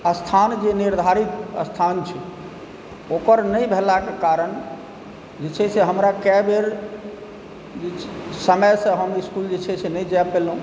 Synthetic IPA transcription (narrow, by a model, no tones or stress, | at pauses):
əst̪ʰand͡ʒeniɾd̪ʱaɾit̪ə̰st̪ʰant͡ʃʰɛ | okəɾnəjbʱelakekaɾən | d͡ʒet͡ʃʰɛseɦəmɾakɛbeɾ | d͡ʒesəməjsə̃ɦəmiskuld͡ʒet͡ʃʰɛt͡ʃʰɛnɛd͡ʒɛpelũ